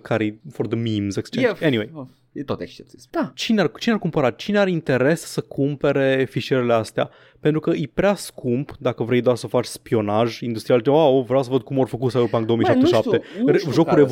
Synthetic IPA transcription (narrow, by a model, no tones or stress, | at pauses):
kʰaɾiford̪əmimzekst͡ʃeeniwej | t̪ot̪ekʃt͡ʃep̚t̪ed̪̥at͡ʃineart͡ʃinearkumpəɾat̪t͡ʃineaɾeint̪e̞ɾe̞sːəkʰumpe̞ɾe̞fiʃeɾeleast̪ea̰ | pent̪ɾukəʔijpɾeaskʰumpd̪akəvɾe̞jd̪oarsəfat͡ʃʲspio̞naʒind̪ust̪ɾialwaovɾejawsəvəd̪̚kumo̞rfəkut̪saeopand̪omiiʃapt̪eʃap̪t̪eʒo̞kuɾev